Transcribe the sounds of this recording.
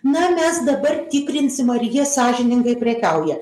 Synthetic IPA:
nɐmʲɛsd̪ɐbɐrt̪ʲɪkɾʲɪnʲsʲɪmɐɾʲjiɛsɑːʒʲɪnʲɪŋɡɐɪpʲɾʲɛkɐʊjɛ

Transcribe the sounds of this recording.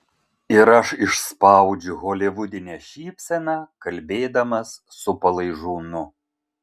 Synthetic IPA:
ɪɾɐʃɪʃspɑˑʊd͡ʒʲʊɣoːlʲɪʋʊd̪ʲɪnʲɛʃʲiːpʲsʲɛnɑːkɐlʲbʲeːd̪ɐmɐsːʊpɐlˠɐɪʒuːnʊ

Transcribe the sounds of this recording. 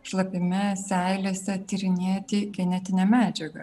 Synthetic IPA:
ʃlˠɐpʲɪmʲɪsʲæɪlʲeːsʲɛt̪ʲɪɾʲɪnʲeːt̪ʲɪɡʲɛnʲɛt̪ʲɪnʲɛmʲæːd͡ʒʲɛɡɐ̰

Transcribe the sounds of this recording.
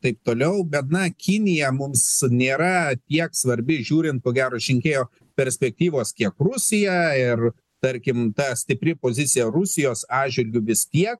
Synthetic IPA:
t̪ɐɪp̚t̪oːlʲɛʊbʲɛt̪nɐkʲɪnʲɪjɛmʊmsnʲeːɾɐt̪ʲiɛksʋɐɾʲbʲɪʒʲuːɾʲɪnt̪̚koːɡʲæːɾoːʃʲɪŋʲkʲeːjoː | pʲɛɾʲsʲpʲɛk̚t̪ʲiːʋoːskʲiɛkrʊsʲɪjɛɪr | t̪ɐɾʲkʲɪmt̪ɐsʲt̪ʲɪpʲɾʲɪpoːzʲɪt͡s̪ʲɪjɛrʊsʲɪjoːsɑːʒʲʋʲɪlʲɡʲʊʋʲɪst̪ʲiɛk̚

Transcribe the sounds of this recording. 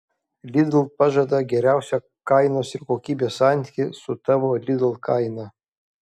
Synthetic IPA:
lʲɪd̪lˠpɑʒɐd̪ɐɡʲɛɾʲæˑʊsʲɛ | kɐɪnoːsɪɾkoːkʲiːbʲeːsɑnʲt̪ʲikʲɪsʊt̪ɑʋoːlʲɪd̪ʊlˠkɐɪnɐ

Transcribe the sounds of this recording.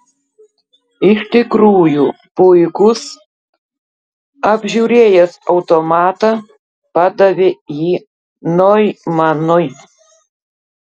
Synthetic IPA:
ɪʃʲt̪ʲɪkɾuːjuː | pʊɪkʊs | ɐbʲʒʲuːɾʲeːjɛsɐʊt̪omɑːt̪ɑ | pɑd̪ɐʋʲejiː | nojmɐnɔj

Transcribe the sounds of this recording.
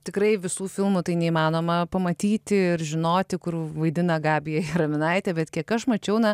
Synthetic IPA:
t̪ʲɪkɾɐɪʋʲɪsuːfʲɪlˠmʊt̪ɐɪnʲɛimɑːnoːmɐpɐmɐt̪ʲiːt̪ʲɪɪrʒʲɪnoːt̪ʲɪkʊrʋɐɪd̪ʲɪnɐɡɑːbʲɪjɛɪɾɐmʲɪnɐɪt̪ʲɛbʲɛt̪kʲiɛkɐʃmɐt͡ʃʲɛʊnɐ

